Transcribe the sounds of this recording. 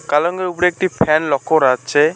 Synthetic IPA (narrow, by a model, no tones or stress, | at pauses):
kalɔŋɡeɾupɽek̚ʈipʰɛnlɔkʰːoɾatt͡ʃʰe